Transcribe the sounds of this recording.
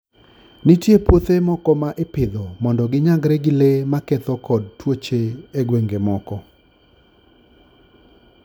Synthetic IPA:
nitjepwot̪emɔkɔmaʔɪpɪd̪ɔmɔndɔɡɪɲaɡɾeɡɪlemakɛt̪ɔkɔd̚twot͡ʃeeɡweŋɡemɔkɔ

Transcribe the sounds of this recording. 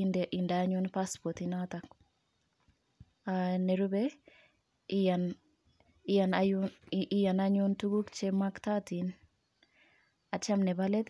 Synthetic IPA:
ndʔindaɲʊnpaspɔtinatak | aneɾubɛ | an | ijanaʔijanaɲʊntuɡukt͡ʃɛmaktatin | at͡ʃamnɛbalɛt

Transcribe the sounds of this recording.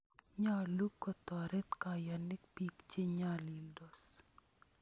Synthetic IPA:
ɲalukːɔt̪ɔɾɛt̪kajanɪk̚pikt͡ʃeɲalildɔs

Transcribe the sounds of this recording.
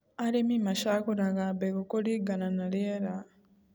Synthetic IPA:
alemimaʃakuɾaɣabekokoliɡananaljeɾa

